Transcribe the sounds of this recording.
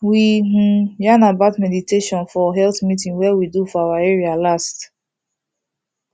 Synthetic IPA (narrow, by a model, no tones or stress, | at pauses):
wi | janabatmɛditʰeʃɔ̃nfɔɦɛlθmitĩŋwɛwidufɔawaɛɹialast